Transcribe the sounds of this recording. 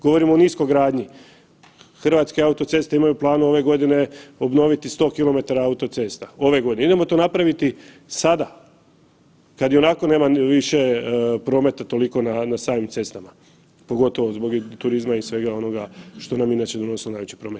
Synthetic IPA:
ɡ̥o̞ʋo̞ɾimoːnisko̞jɡɾaːd̪ɲi | xrʋaːt̪ske̞aut̪o̞t̪se̞st̪eimajuplˠaːnuo̞ʋe̞ɡo̞d̪ine̞o̞bno̞ʋit̪ist̪o̞kilˠo̞me̞t̪aɾaaut̪o̞t̪se̞ːst̪ao̞ʋe̞ɡo̞d̪ineid̪emo̞t̪o̞napɾaʋit̪i | sad̪a | kad̪jo̞nako̞ne̞ːmaʋiʃe̞pɾo̞ːme̞t̪at̪o̞liko̞nanasaːmimt̪se̞st̪ama | po̞ɡo̞t̪o̞ʋo̞zbo̞ɡt̪uɾizmaisʋe̞ɡao̞no̞ɡaʃt̪o̞naminaːt͡ɕed̪ono̞silonajʋet͡ɕi̥pɾo̞ːmet̪

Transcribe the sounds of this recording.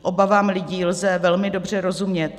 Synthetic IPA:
ʔo̞bavaːmlɪɟiːlzɛvɛlmɪdo̞br̝ɛɾo̞zumɲɛt̪

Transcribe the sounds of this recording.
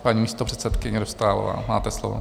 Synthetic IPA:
paɲiːmiːst̪opr̝̥ɛt̪sɛt̪kɪɲɛɾost̪aːlo̰va̰ːmaːt̪ɛslo̰vo̰

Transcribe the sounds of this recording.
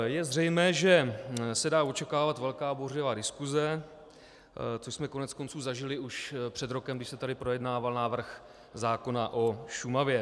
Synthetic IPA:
jɛzr̝ɛjmɛːʒɛsɛdaːo̞t͡ʃɛkaːvat̪vɛlkaːborɛvaːdɪskuzɛ | t͡soʃsmɛko̞nɛt͡sko̞nt͡suːzaʒɪlɪuʃpr̥ɛd̪ɾo̞kɛmɡdɪʃsɛt̪adɪpɾo̞jɛdnaːvalnaːvr̩x | zaːko̞naʔo̞ʃumavjɛ

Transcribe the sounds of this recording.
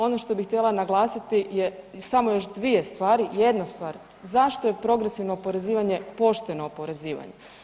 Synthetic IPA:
o̞noʃt̪o̞bixt̪ʲjelanaɡlˠaːsit̪ijesamo̞jo̞ʃd̪ʋije̞st̪ʋaːɾije̞d̪nast̪ʋaːɾ | zaʃt̪oje̞pɾo̞ɡɾesiʋnoːpo̞ɾe̞ziːʋaɲe̞po̞ʃt̪eno̞ːpo̞ɾe̞ziːʋa̰ɲḛ

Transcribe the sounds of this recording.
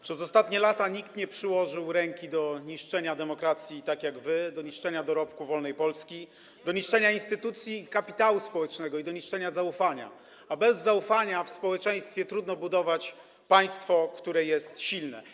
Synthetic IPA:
pʂɛzɔst̪at̪ɲɛlat̪aɲikt̪ɲɛpʂɘwɔʐɘwɾɛŋkʲid̪ɔɲiʂt͡ʂɛɲad̪ɛmɔkɾat̪sʲjit̪akʲjaɡvɘd̪ɔɲiʂt͡ʂɛɲad̪ɔɾɔpkuvɔlnɛjpɔlskʲi | d̪ɔɲiʂt͡ʂɛɲainst̪ɘt̪ut̪sʲjikapʲi̥t̪awuspɔwɛt͡ʂnɛɡɔid̪ɔɲiʂt͡ʂɛɲazaufaɲa̰ | abɛzːaufaɲafspɔwɛt͡ʂɛ̃j̃st̪fʲjɛt̪ɾud̪nɔbud̪ɔvat͡ɕ | paj̃st̪fɔkt̪uɾɛjɛst̪ɕilnɛ̰

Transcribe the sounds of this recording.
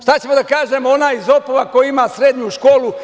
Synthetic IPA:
ʃt̪at͡ɕemod̪akaːʒemonaːjizopoʋako̞jiimasɾeːd̪ɲuʃkoːlu

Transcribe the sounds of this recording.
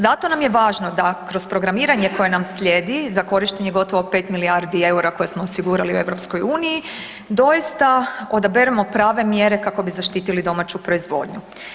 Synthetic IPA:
zat̪o̞namjeʋaːʒno̞d̪akɾo̞spɾo̞ɡɾamiːɾaɲe̞ko̞je̞namsʎʲe̞d̪izako̞ɾiʃt̪eɲeɡo̞t̪oʋo̞peːt̪miliaɾd̪ie̞uɾako̞jesmoːsiɡuːɾaliṵe̞ʋɾo̞psko̞juːniji | d̪o̞jist̪ao̞d̪abeɾemo̞pɾaːʋe̞mjeɾe̞kako̞bizaʃt̪iːt̪ilid̪o̞mat͡ɕupɾo̞izʋo̞̰ːd̪ɲu

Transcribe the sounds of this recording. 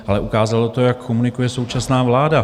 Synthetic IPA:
ʔalɛʔukaːzalo̞t̪o̞jakʰːomunɪkujɛso̞wt͡ʃasnaːvlaːda

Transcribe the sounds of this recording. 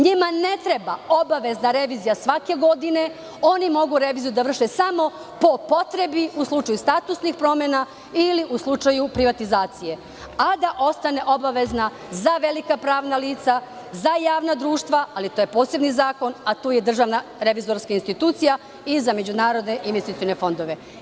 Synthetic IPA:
ɲimane̞t̪ɾe̞baobaʋe̞znaɾe̞ʋiːzijasʋake̞ɡo̞d̪ine̞ | o̞nimo̞ɡuɾe̞ʋiːzijud̪aʋr̩ʃe̞samo̞ | po̞po̞t̪ɾe̞biuslˠut͡ʃajust̪at̪usnixpɾo̞mena | iliʔuslˠut͡ʃajupɾiʋat̪izaːt̪sije̞ | ad̪aʔo̞st̪ane̞ʔo̞baʋe̞zna | zaʋe̞likapɾaːʋnaliːt̪sa | zajaːʋnad̪ɾuːʃt̪ʋaalit̪oːje̞poːse̞bnizaːko̞nat̪uːje̞d̪r̩ʒaʋnaɾe̞ʋizo̞ɾskainst̪it̪uːt̪sija | izame̞d͡ʑunaːɾo̞d̪ne̞ʔinʋet̪it̪ione̞fo̞nd̪o̞ʋe̞

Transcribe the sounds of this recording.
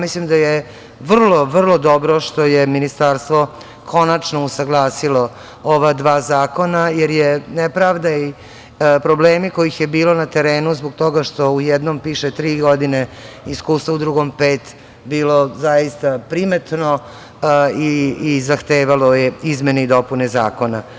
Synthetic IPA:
mislimd̪aje | ʋr̩lˠo̞ʋr̩lˠo̞d̪o̞bɾoʃt̪o̞jeminist̪aɾst̪ʋo | kʰo̞nat͡ʃnousaɡlˠaːsilo̞ | oʋad̪ʋaːzaːko̞najeɾjenepɾaʋd̪ai | pɾobleːmiko̞jixjebiːlˠo̞nat̪eɾeːnuzboɡ̚t̪o̞ɡaʃt̪o̞ujɛd̪nompiːʃet̪ɾiːɡo̞d̪ine | iskuːst̪ʋoud̪ɾuɡo̞mpeːt̪ | biːlo̞zaist̪apɾimet̪no | iːzaxt̪eːʋalojeizmeneid̪o̞puneza̰ːko̞na

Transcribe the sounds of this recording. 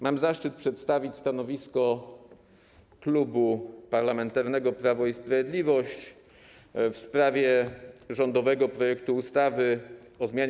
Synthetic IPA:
mamzaʂt͡ʂɘt̪̚pʂɛt̪st̪avʲit͡ɕʲst̪anɔvʲiskɔ | klubupaɾlamɛnt̪aɾnɛɡɔpɾavɔispɾavʲjed̪lʲivɔɕt͡ɕ | fspɾavʲjɛʐɔnd̪ɔvɛɡɔpɾɔjɛkt̪uːst̪avɘ | ɔzmʲjaɲ

